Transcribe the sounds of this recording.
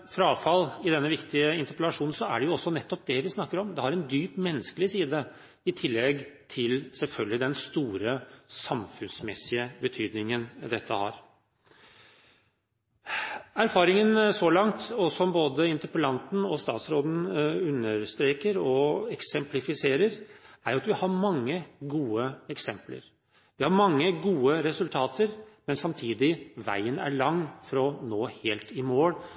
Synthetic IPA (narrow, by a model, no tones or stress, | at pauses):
fɾɑɑːʋfɑlːɪd̪ɛnːəʋɪkt̪ɪəɪnt̪əɾpəlɑʂuːnn̩sɔæ̰ɖɛjʊɔsːɔnɛt̪ːɔp̚d̪ɛʋɪsnɑkːəɾɔmd̪ɛhɑɾɛnd̪yːpmɛnːəskəlɪsiːd̪ə | ɪt̪ʰɪlːɛɡt̪ʰɪlsɛlfœlɡəlɪd̪ɛnst̪uːɾəsɑmfʉnsmɛsɪəbət̪ʰyːd̪nɪŋənd̪ɛt̪ʰːəhɑ̰ɾ | æɾfɑːɾɪŋənsɔlɑŋt̪ɔsɔmboːd̪əɪnt̪əɾpəlɑnt̪n̩ɔst̪ɑ̰ːt̪sɾoːd̪n̩ʉnːəɾst̪ɾeːkəɾɔɛksɛmplɪfɪseːɾəɾæɾjʊɑt̪ʋɪhɑɾmɑŋːəɡuːəɛksɛmplə̰ɾ | ʋɪhɑɾmɑŋːəɡuːəɾɛsʉlt̪ʰɑːt̪ʰəɾmɛnsɑmt̪ʰiːd̪ɪʋæ̰ɪənæ̰ɭɑŋːfɾɔnoːheːlt̪ɪmoːɽ